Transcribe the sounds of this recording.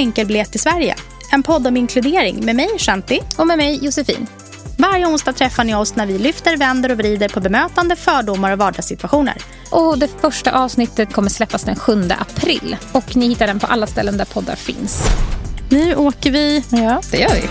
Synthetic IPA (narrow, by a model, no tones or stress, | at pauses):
ɛŋkəlbleːt̪ʰːɪlsvæɾjə̰ | ɛnpʰɔd̪ːɔmɪŋkʰlɵd̪eːɾɪ̰ŋmɛmɛjʂɛnt̪ɪɔmɛmɛjjʊsɛfḭːn | vaɾjəʊnsd̪ɑːt̪ʰɾɛfːaɳɪɔsnæɾvɪlʏft̪əɾvɛnd̪əɾɔvɾiːd̪əɾpʰɔbɛmøːt̪and̪əfœːɖʊmaɾɔvɑːɖɑɡsɪt̪vaɧuːnə̰ɾ | ʔɔd̪ɛfœʂʈaʔɑːvsnɪt̪ːət̪̚kʰɔmːəʂslɛpːasd̪ɛnɧɵnd̪ə̰ʔapʰɾɪ̰lːɔknɪhɪt̪ːaɖɛnpʰɔʔa̰lːast̪ɛlːənd̪æɾpʰɔd̪ːa̰ɾfɪ̰ns | nʉ̟ːʔoːkəɾvɪjɑːd̪̥ɛjœːɾvɪ̰